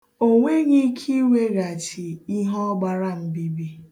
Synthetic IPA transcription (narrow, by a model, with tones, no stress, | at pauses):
o˦ŋʷe˦ɲi˦kʰi˦wʷe˦ɾa˨t͡ʃi˨i˦ɦɔ˦ɡ͡ba˦ɾa˦m̩˦bi˦bi˦